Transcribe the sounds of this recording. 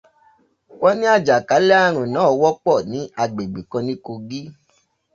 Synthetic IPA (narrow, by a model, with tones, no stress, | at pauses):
wɔ˦nĩ˦a˦˨d͡ʒa˨ka˨˦lɛ˦a˦ɾ̃ũ˨nãː˨˦˧wɔ˦k͡pɔ˦˨nĩ˨˦a˧˨ɡ͡be˨ɡ͡be˨kã˧nĩ˦ko˧ɡi˦